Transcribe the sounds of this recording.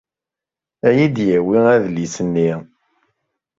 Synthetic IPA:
æjid̪jæwiæðlisənːi

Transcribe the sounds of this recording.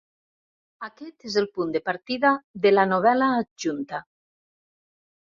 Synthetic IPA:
akɛt̪ezelpund̪epaɾt̪iðaðelanoβ̞ɛlaːʒunt̪a

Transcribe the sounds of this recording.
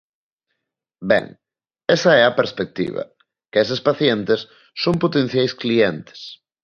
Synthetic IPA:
bɛ̰ŋ | ɛsɐɛɐpeɾspek̚t̪ḭβɐ̰ | kesespaθjɛnt̪ɪsː | õmpot̪en̟θjajskliɛnt̪ɪ̥s

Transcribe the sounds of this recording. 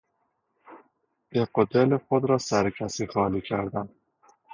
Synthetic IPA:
eqod̪elexod̪ɾɒːsæɾecʲʰæsiːxɒːliːcʰæɾd̪æn

